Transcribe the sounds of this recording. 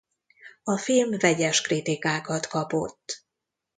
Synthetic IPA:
ɒfilmvɛɟɛʃkrit̪ikaːkɒt̪kɒpo̞̰t̪ː

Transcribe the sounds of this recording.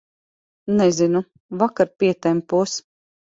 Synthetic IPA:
nɛzinu | vakaɾpʲiɛt̪ampuɔs

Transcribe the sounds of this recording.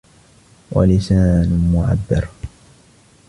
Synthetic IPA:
wa̰lɪsaːnmʊʕa̰bːɑ̰ɾ

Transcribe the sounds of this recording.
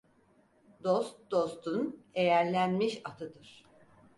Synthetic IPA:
d̪o̞st̪d̪o̞st̪ʰunejæɾlʲænmiʃat̪ʰɯd̪ɯɾ̥

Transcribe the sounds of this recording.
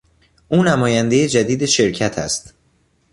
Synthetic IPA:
ʔuːnæmɒːjænd̪ejed͡ʒæd̪iːd̪e̞ʃe̞ɾcʰæt̪ʰæ̰st̪

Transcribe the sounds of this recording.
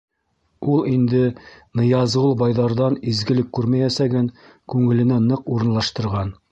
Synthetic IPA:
ulˠind̪ɘnɤ̆jɑzʁɤlˠbɑjðɑɾðɑnizɡɘ̆lɘkːʉɾmæjæsæɡæn | kʉŋɘ̆lɘ̆nænɤquɾɤ̆nlˠɑʃt̪ɤ̆ɾʁɑn

